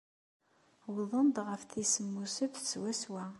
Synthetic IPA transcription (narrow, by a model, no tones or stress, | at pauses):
wðˤənd̪ʁəfθisəmːusəfθt͡sːwæswæ